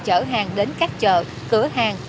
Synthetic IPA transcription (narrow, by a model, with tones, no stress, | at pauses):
t͡ɕəː˧˩ɦaː˨˩ŋɗe˨˦nkaː˦˥k̚t͡ɕə̰ː˧˨ | kɨ˧˩əɦaː˨˩ŋ